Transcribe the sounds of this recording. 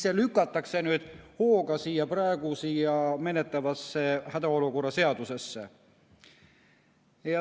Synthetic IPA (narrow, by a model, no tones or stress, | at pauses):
selykːˑɑt̪ːˑɑkse̞nyːd̪̥ho̞ːɡɑsiːjɑprɑeɡ̥usijɑme̞net̪ːˑɑvɑsːe̞hæd̪ɑo̞luko̞rːɑse̞ɑd̪̥use̞sːḛ | jɑ